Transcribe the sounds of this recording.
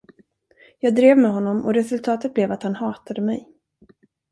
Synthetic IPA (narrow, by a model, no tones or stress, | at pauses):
jɑːɡ̚d̪ɾeːvmɛɦɔnːɔmɔ̰ɾɛsɵlt̪ʰɑːt̪ət̪̚blɛvat̪hanhɑːt̪ʰad̪əmɛ̰j